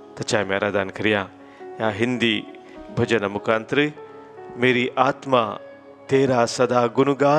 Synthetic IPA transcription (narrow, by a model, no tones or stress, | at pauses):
t̪ɐt͡ʃaːjmẽɐɾaːd̪aːnkʰɐɾijãː | jaːɦɪnd̪iː | bʱɐd͡ʒɐnɐmʊkʰãːnt̪ɾɨ | meːɾiːʔaːt̪ma̰ː | t̪eːɾaːsɐd̪aːɡʊnuɡaː